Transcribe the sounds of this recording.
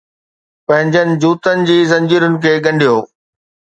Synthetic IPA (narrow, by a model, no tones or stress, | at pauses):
pɐ̃ɦɪ̃ɲd͡ʑənɪ̆d͡ʑuːt̪ənɪ̆d͡ʑiːzɐ̃ɲd͡ʑiɾʊnɪ̆kʰeːɠɐ̃ɳɖʱijoː